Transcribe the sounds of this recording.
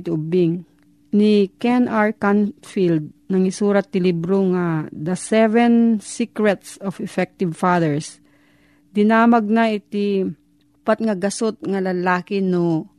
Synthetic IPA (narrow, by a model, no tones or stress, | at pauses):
t̪ɪʊbɪŋ | nikɛnʔaɹkanfild̪̚nɐŋɪsuːɾat̪̚nɪlibɾoŋad̪ɐsɛvɛnsikɹɛt̪sɔfɛfɛk̚t̪ɪvfaðɛɹs | d̪ɪnaːmɐɡ̚nɐɪt̪i | ʊpat̪̚ŋɐɡɐsot̪̚ŋɐlɐlaːkɪno